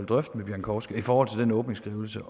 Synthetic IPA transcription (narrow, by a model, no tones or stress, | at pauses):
ld̥ʁœfd̥meb̥jæɐnkʰɒːsɡ̥əifɒːhɒ̽l̰t͡sʰe̝ld̥enɔ̽ːb̥ne̝ŋsɡ̥ʁiːʊl̩sə